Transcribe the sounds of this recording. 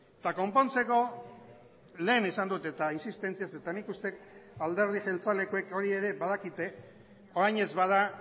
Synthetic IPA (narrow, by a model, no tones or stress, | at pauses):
t̪ako̞mpo̞nt͡se̞ko̞ | le̞ːnisand̪ut̪et̪ainsist̪e̞nt͡siase̞t̪anikust̪e̞kald̪e̞ɾð̞iʝe̞lt͡sale̞koe̞ko̞ɾie̞ɾe̞βaðakit̪e̞ | o̞ɾajɲe̞zβað̞a